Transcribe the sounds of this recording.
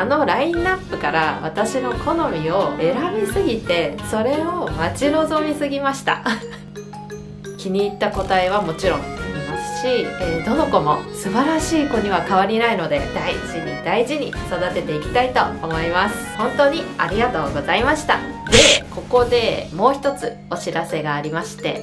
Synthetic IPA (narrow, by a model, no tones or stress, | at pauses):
ano̞ɾaĩnapːɯ̟kaɾaβat̪aɕino̞kʰo̞no̞mʲio̞e̞ɾabʲisɨɡʲit̪e̞so̞ɾe̞o̞mat͡ɕino̞zo̞mʲisɨɡʲimaɕi̥t̪a̰ | kʲiɲ̟iːt̪ːako̞t̪aeβ̞amo̞t͡ɕiɾõ̞ŋaɾʲimasɨ̥ɕied̪o̞no̞ko̞mo̞sɨbaɾaɕiːko̞ɲ̟iβ̞akaβ̞aɾʲinaino̞d̪e̞̰d̪̥aiʑiɲ̟id̪aiʑiɲ̟ḭso̞d̪at̪e̞t̪e̞ikʲi̥t̪ait̪o̞omo̞imasɨ̥hõ̞nt̪o̞ːɲ̟ia̰ɾʲiɡat̪o̞ːɡo̞zaimaɕi̥t̪a̰d̪e̞ko̞ko̞d̪e̞mo̞ːçi̥t̪o̞t͡sɨ | o̞ɕiɾase̞ɡaːɾʲimaɕi̥t̪e̞̰